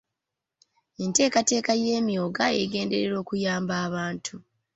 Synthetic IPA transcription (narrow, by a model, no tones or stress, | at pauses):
ente̞ːkate̞ːkaje̞ːmjo̞ːɡaeɡe̞ːnde̞̰ɾeɾo̞ːkujaːmbaːβaːntʰu